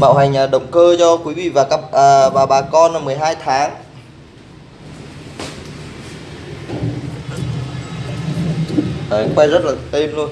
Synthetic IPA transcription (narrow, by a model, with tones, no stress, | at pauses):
ɓa̰ː˧˨wha˨˩jŋ̟ʔəː˨˩ɗə˨˩wŋ͡mkəː˧t͡ɕɔ˧kwi˨˦vḭ˧˨vaː˨˩kaː˦˥p̚əː˨˩vaː˨˩ɓaː˨˩kɔ˧nʔə˨˩mɨ˨˩əjɦaː˧jt̪ʰaː˨˦ŋ | ʔəː˨˩˨kwa˧jzə˦˥t̚laː˨˩ʔe˧mlu˧ən